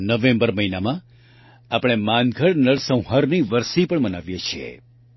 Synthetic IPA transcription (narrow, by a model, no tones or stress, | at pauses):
nəʋẽmbəɾməɦinamã | apəɽ̃emãnɡʱəɽnəɽsə̃w̃ɦaɾniʋəɾsipəɳmənaʋjet͡ʃʰiḛ